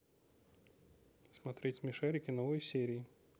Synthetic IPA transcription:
smɐt̪ɾʲetʲmʲɪʂɛɾʲɪkʲɪnovɨjsʲeɾʲɪː

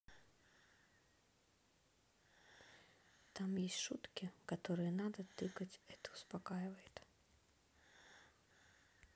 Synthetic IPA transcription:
t̪amjɛsʲʃut̪kʲikat̪ɔɾɨjɐnad̪ɐt̪ɪkɐt͡sʲɛt̪ɨuspakajvɐjɛt̪

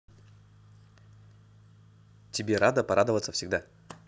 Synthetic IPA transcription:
tʲɪbʲe̞ɾad̪əpɐɾʔad̪əvət̪səfsʲɪɡd̪a

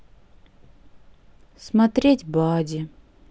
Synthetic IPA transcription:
smɐt̪ɾʲetʲbadʲɪ

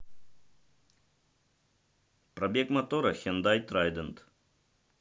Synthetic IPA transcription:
pɾɐbʲekmɐt̪oɾɐxʲend̪ajt̪ɾajd̪ənt̪

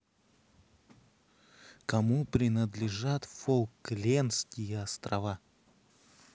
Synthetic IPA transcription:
kɐmupɾʲɪnəd̪lʲɪʐat̪folˠklʲenskʲɪjəɐst̪ɾɐva

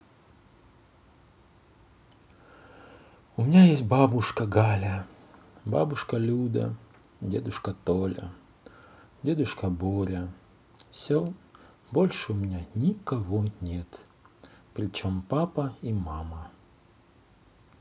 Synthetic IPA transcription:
ʊmʲɪnʲajesʲt̚ʲbabʊʂkɐɡalʲɐ | ba̰bʊʂkɐlʲud̪ɐ̰ | dʲed̪ʊʂkɐt̪olʲɐ̰ | dʲed̪ʊʂkɐbolʲɐ | fsʲo | bolʲʂɨʊmʲɪnʲanʲikɐvonʲet̪ | pɾʲɪt͡ɕompapɐimamɐ

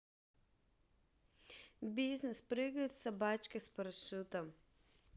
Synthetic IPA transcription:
biznispɾeɡɛt̪sɛbaːt͡ʃkɛspɔɾɐʃut̪ɐ

